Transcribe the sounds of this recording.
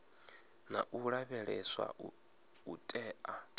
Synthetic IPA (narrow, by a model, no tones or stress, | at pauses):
naʔuɺaβɛɺɛswa̰ | utʼɛːʔa